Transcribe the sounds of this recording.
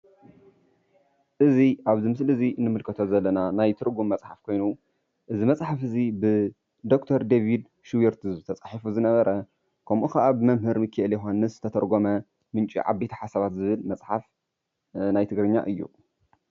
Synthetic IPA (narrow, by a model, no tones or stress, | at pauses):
ʔɨziʔaβzimɨslɨziʔɨnːɨmɨlkʰɐt̪ʰo̞zɐlːɐnanajt̪ʰɨɾɡumːɐt͡sʼħafkʰo̞jnu | ʔɨzimɐt͡sʼħafɨzibɨ | d̪o̞kt̪ʰɐɾd̪evid̪ | ʃuweɾt̪ʰɨzɨt̪ʰɐt͡sʼaħifuzɨnɐβɐɾʔɐ | kʰɐmʔukʰɐʔabɨmɐmɦɨɾmɨkʰːɨʔɨljɛɦanːɨszɨ̥t̪ʰɐt̪ʰɐɾɡo̞mɐ | mɨnt͡ʃʼḭʕa̰bːet̪ʰɐ̥ħasaβat̪zɨβɨlmɐt͡sʼħaf | najt̪ʰɨɡɾɨɲːa̰ʔɨjːṵ